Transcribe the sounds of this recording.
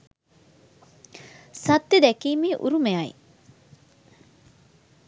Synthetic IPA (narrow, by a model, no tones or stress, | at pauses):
sɐt̪ːed̪ækiːmiːʔṵɾumeajḭ